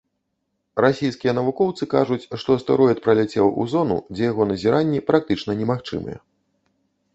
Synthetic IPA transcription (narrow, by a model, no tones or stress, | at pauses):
rasʲijskʲijɛnɐvukɔwt̪sɨkaʐut͡sʲʂt̪ɔst̪ɛɾɔjɛt̪̚pɾɐlʲat͡sʲewṵzɔnṵd͡zʲɛjaɣɔnɐzʲiɾanʲːipɾak̚t̪ɨt͡ʂnɐnʲɛmaxt͡ʂɨ̰mɨ̰jɛ̰